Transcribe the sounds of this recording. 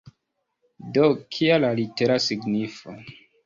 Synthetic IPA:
dokʰialaliteɾasiɡnifo

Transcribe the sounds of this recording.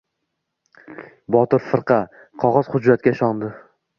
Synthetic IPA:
bɒt̪ɪɾfɨɾqʰɑ | qʰɒʁɒz̥χʊd͡ʒːat̪̚kʲaɪʃɒnd̪ɪ

